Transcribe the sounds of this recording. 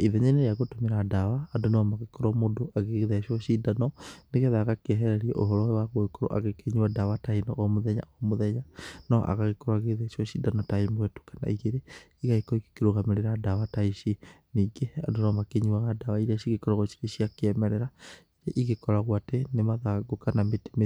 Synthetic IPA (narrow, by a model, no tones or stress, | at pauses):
iðɛɲaneɾeaɣotomeɾadawaːdonewamaɣekoɾamodoʔaɣeɣeðɛʃɔʃidanɔneɣeðaɣakeɛɦɛɾɛɾiɛ̰ʔoɦɔɾɔɛwaɣokoɾo̰ʔa̰ɣekeɲiwadawatainɔ̰ʔɔmoðɛɲa̰ʔɔmoðɛɲanɔ̰ʔa̰ɣaɣekɔɾwaɣeeðɛʃɔʃidanɔtaimwɛto̥kana̰iɣeɾe | iɣaikɔike̥keɾoɣameɾeɾadawataiʃi | niːɡea̰donewamakeɲiaɣadawaiɾasiɣekɔɾaɣoʃi̥ɾeʃiakeɛmɛɾɛɾaiɾeʔiɣekɔɾaɣwatenemaðaɡokanamete̥me